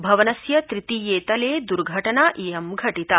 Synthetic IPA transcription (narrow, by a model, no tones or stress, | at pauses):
bʱɐʋɐnɐsjɐt̪ɾit̪iːjeːt̪ɐleːd̪uɾɡʱɐʈɐnaʔeːɐmɡʱɐʈit̪ɐ